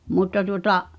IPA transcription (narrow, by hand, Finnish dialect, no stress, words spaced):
mutːɑ tuŏtɑʔ